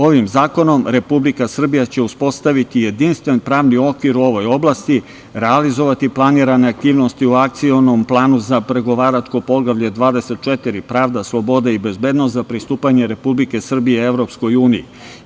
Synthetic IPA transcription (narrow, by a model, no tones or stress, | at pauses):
o̞ʋimzaːko̞no̞mɾe̞publikasr̩bijat͡ɕe̞uspo̞st̪aʋit̪ije̞d̪inst̪ʋe̞npɾaːʋnio̞kʋiɾuo̞ʋo̞jo̞blˠast̪i | ɾe̞alizo̞ʋat̪iplˠaniɾane̞ak̚t̪iːʋno̞st̪iuak̚t̪sio̞no̞mplˠaːnuzapɾe̞ɡo̞ʋaːɾat͡ʃkopo̞ɡlaʋʎe̞d̪ʋaːd̪e̞se̞t̪̚t͡ʃet̪iɾipɾaːʋd̪aslˠo̞bo̞d̪aibe̞zbe̞ːd̪nost̪zapɾist̪uːpaɲe̞ɾe̞publike̞sr̩bijeeʋɾo̞psko̞juːniji